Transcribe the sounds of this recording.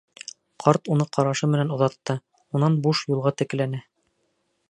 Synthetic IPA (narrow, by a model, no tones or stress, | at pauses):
qʰɑɾt̪unɤqʰɑɾɑʃɤmɘ̆nænŏðɑt̪ːɤ | unɑnbuʃjulˠʁɑt̪ɘ̆k̆lænæ